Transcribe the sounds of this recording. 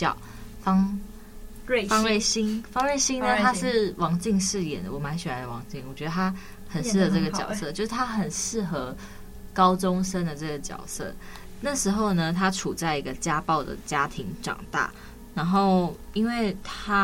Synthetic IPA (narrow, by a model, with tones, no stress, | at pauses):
t͡ɕɑ˨˩ | fɑ˥ŋ | fɑ˥ŋwe˥˩ɪɕi˥nfɑ˥ŋwe˥˩ɪɕi˥ŋnə˧t̪ʰa˥ʂɻ̩˥˩wʔɑ˧˥ŋt͡ɕi˥˧ŋʂɻ̩˥˩jɛ̰˨˩nd̪ə˦wɔ˨˩˦ma˧˥nɕɛ˨˩ɾa˧˦d̪ə˧wɑ˧˥ŋt͡ɕi˥˩ŋwɔ˨˩t͡ɕɥɛ˧˥d̪ə˧t̪ʰa˥ | xə˨˩n̩˧˥˩xɤ˧˦ʈ͡ʂə˥˩ɡə˨t͡ɕjɑ̰˨˩ʊsɤ˥˧˨t͡ɕjo˥˧ʊʂɻ̩˥˩t̪ʰa˥xə˨˩nʂɻ̩˥˩xɤ˧˦ | kɑ˥ʊʈ͡ʂo˥ŋsʂə˥nd̪ə˨ʈ͡ʂə˥˩ɡə˩t͡ɕjɑ̰˨˩ʊsɤ̰˥˩ | na˥˩ʂɻ̩˧˥xo˥˧ʊnə˧t̪ʰa˦ʈ͡ʂʰu˨˩t͡sa˥˩ɪi˧˥ɡə˧t͡ɕja˦pɑ˥˩ʊd̪ə̰˩t͡ɕja˥t̪ʰi˧˥ŋʈ͡ʂɑ̰˨˩ŋt̪a̰˥˩ | na˧˥nxo˥˩ʊi˥nwe˥˩ɪt̪ʰa˥